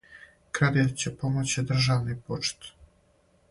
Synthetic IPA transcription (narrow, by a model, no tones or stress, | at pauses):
kɾad̪it̪t͡ɕepomot͡ɕid̪r̩ʒaʋnipot͡ʃt̪